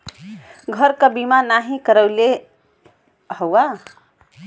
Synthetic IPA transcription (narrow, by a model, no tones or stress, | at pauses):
ɡʱəɾkəbimanaɦĩkəɾəle | həwa